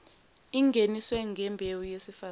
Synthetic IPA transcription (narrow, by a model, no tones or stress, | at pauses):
iŋɡʱeniswɛŋɡʱɛmbʱewujesifa